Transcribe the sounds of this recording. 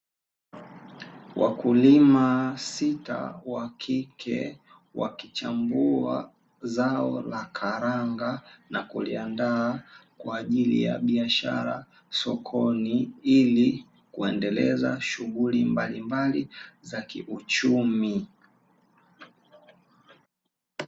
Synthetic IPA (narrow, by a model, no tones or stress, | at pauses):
wʔa̰kulimasita̰wakʰikʰɛ̰ | wʔa̰kit͡ʃambua̰ | zaɔlakʰaɾaŋɡanakuliandaːkwaːʄilḭja̰ɓiaʃa̰ɾa̰ | sɔkʰɔniili | kuɛndɛlɛzaʃuɣulimbalimbalizakiʔut͡ʃumi